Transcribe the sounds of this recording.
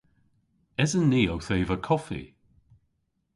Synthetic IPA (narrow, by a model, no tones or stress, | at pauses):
ɛzənːiːowθeːvəkʰɔfḭ